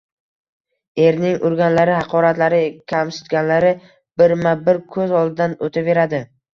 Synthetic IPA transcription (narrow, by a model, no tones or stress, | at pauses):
e̞ɾnɪŋʔʊɾɡʲanlaɾɪhɑqʰɒɾat̪laɾɪkʲʰamsɪ̥t̪ɡʲanlaɾɪ | b̥ɪɾmabɪɾkʰɵzɒlˠd̪ɪd̪anot̪ʰave̞ɾad̪ɪ